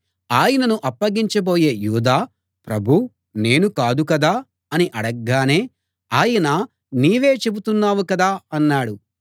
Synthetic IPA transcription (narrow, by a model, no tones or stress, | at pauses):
aːjɐnɐnuʔɐpːɐɡiɲt͡ʃɐbo̞ːje̞ːjuːd̪aː | pɾɐbʱu | ne̞ːnukaːd̪ukɐd̪aː | ɐniʔɐɽɐɡːaːne̞ː | aːjɐnɐ | niːʋe̞ːt͡ʃe̞but̪unːaːwukɐd̪aːɐnːaːɽu